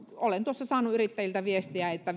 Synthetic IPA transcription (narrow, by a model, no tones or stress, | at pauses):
olent̪uosːɑsɑːnuyrit̪ːæjilt̪æʋiest̪iæet̪ːæ